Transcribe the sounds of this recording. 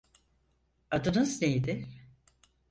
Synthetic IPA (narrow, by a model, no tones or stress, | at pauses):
ad̪ɯnɯznejd̪ɪ